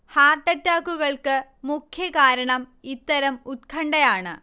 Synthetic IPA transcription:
haːrʈːɐtːaːkːuɣɐɭkɨmukʰjɐkaːɾɐɳɐmit̪ːɐɾɐmut̪̚kʰɐɳɖɐjaːɳɨ

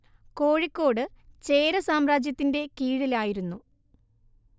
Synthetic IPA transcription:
ko̞ːɻikʲːo̞ːɽɨt͡ɕe̞ːɾɐsaːmraːd͡ʑjɐt̪ːinde̞kiːɻɐlaːjiɾunːu

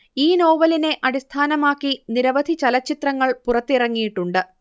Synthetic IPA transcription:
iːno̞ːʋɐline̞ʔɐɽist̪ʰaːnɐmaːkːiniɾɐʋɐd̪ʱit͡ɕɐlɐt͡ɕːit̪rɐŋːɐɭpurɐt̪ːirɐŋːijiʈːuɳɖɨ

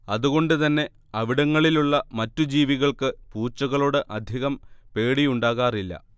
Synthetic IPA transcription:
ɐðuɣo̞ɳɖɨt̪ɐnːe̞ | ɐʋiɽɐŋːɐɭiluɭːɐmɐtːud͡ʑiːʋiɣɐɭkɨpuːt͡ɕːɐɣɐɭoːɽɨʔɐd̪ʱjiɣɐmpe̞ːɽijuɳɖaːɣaːrilːɐ̰

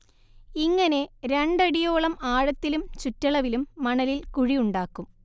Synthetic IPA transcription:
iŋːɐne̞ɾe̞ɳɖɐɽijo̞ːɭɐmaːɻɐt̪ːilumt͡ɕutːɐɭɐʋilumːɐɳɐlilkuɻijuɳɖaːkːum

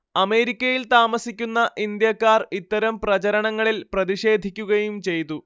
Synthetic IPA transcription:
ɐme̞ːɾikʲːɐjilt̪aːmɐsikʲːunːɐʔind̪jɐkːaːrit̪ːɐɾɐmprɐt͡ɕɐɾɐɳɐŋːɐɭilprɐðiʂe̞ːd̪ʱikʲːuɣɐjumt͡ɕe̞jt̪u

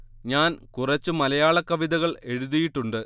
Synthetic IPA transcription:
ɲaːnkurɐt͡ɕːumɐlɐjaːɭɐkːɐʋiðɐɣɐɭe̞ɻuðijiʈːuɳɖɨ

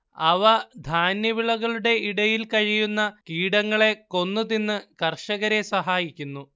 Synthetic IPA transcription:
ɐʋɐd̪ʱaːnjɐʋiɭɐɣɐɭuɽe̞iɽɐjilkɐɻijunːɐkiːɽɐŋːɐɭe̞ko̞nːɨðinːɨkɐrʂɐɣɐɾe̞sɐɦaːjikʲːunːu

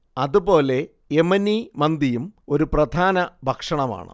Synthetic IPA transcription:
ɐðubo̞ːle̞ | emɐnːimɐnd̪ijumo̞ɾuprɐd̪ʱaːnɐbʱɐkʂɐɳɐma̰ːɳɨ̰

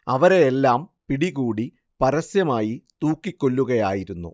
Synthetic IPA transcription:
ɐʋɐɾe̞jelːaːmpiɽiɣuːɽi | pɐɾɐsjɐmaːjit̪uːkːikʲːo̞lːuɣɐjaːjiɾunːṵ

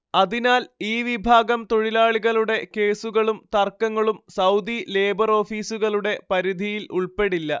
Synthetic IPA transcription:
ɐðinaːliːʋibʱaːɡɐmt̪oɻilaːɭiɣɐɭuɽe̞ke̞ːsuɣɐɭumt̪ɐrkːɐŋːɐɭumsɐwd̪ile̞ːbɐro̞ːfiːsuɣɐɭuɽe̞pɐɾid̪ʱijiluɭpe̞ɽilːɐ

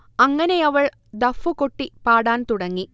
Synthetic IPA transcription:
ɐŋːɐne̞ɐʋɐɭ | d̪ɐfːukoʈːipaːɽaːnt̪uɽɐŋːi

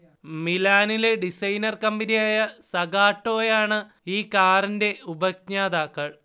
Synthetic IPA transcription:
milaːnile̞ɖisɐjnɐrkɐmbinijaːjɐsɐɡaːʈːo̞ːjaːɳɨ | iːkaːrinde̞ubɐk̚ɲaːd̪aːkːɐɭ

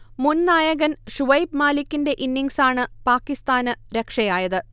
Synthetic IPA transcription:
munnaːjɐɣɐnʂuʋɐjpmaːlikʲːinde̞ʔinːiŋsaːɳɨpaːkːist̪aːnɨɾekʂɐjaːjɐðɨ

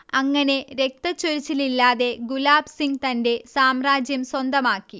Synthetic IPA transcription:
ɐŋːɐne̞ɾe̞k̚t̪ɐt͡ɕːoɾit͡ɕːililːaːðe̞ɡulaːbsiŋɡt̪ɐnde̞saːmraːd͡ʑjɐmswɐnd̪ɐmaːkːi

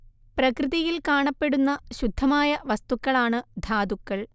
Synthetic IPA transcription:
prɐkrɨðɐjilkaːɳɐpːe̞ɽunːɐɕud̪ʱːɐmaːjɐʋɐst̪ukːɐɭaːɳɨd̪ʱaːd̪ukːɐɭ

